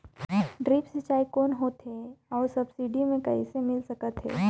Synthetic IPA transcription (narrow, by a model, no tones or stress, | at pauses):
ɖɾiːpsɐt͡ʃaːikɔːnɦoːt̪ɦeɔːɾsɐbsiːɖimẽkɐisemɪlsɐkət̪ɦɛ̰ː